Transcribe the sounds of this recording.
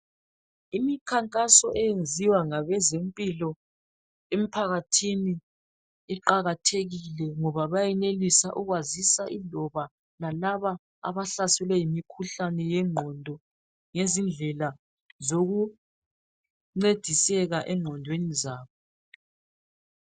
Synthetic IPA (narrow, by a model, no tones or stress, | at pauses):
imikʰaŋkʼasɔʔɛjend͡zʱiwaŋaβɛzempʼilɔ | em̩pʰaɣatʰiniː | ǃaɣatʰeɣilɛŋɔβaβajɛnelisaʔuɣwazisaʔilɔβa | lalaβa | a̰βaɬasɛlwɛjimikʰuɬanɛjɛŋ͡ǃʱɔndʱɔ | ŋezind͡ɮʱɛla | zoɣu | ŋ͡ǀed̥ʱisɛɣaʔɛŋ͡ǃʱɔndʱwenizaːβɔ